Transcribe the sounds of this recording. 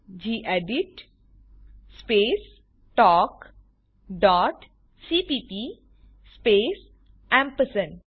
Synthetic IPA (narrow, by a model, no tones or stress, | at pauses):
d͡ʒiːʔeɖiʈ | speːs | ʈɔːk | ɖɔːʈ | siːpiːpi | speːs | ɛ̃mpəsə̃n